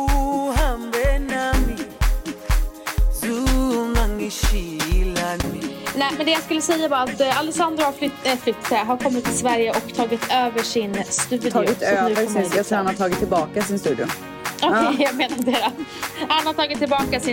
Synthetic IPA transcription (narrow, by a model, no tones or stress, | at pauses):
ɦambɛnami | sɔmaŋːəɕilanɛːmɛnd̪ɛjaskɵlːəsɛjːavaat̪ːalɛsand̪ɾʊhaflflʏt̪ːat̪əɦaɾkʰɔmːɪt̪ːɪlsvæɾjəʔɔkt̪ʰɑːɡɪt̪ʰøːvəʂɪnst̪ʉ̟ːd̪ʰɑːɡɪt̪øːvəɾɪahanhat̪ʰɑːɡɪt̪ʰːɪlbɑːkasɪnst̪ʉ̟ːd̪ɪʊ | ɔkʰɛjjaɡmeːnad̪eɾahanhaʈ̪ʰɑːɡɪt̪ʰːɪlbɑːkasɪ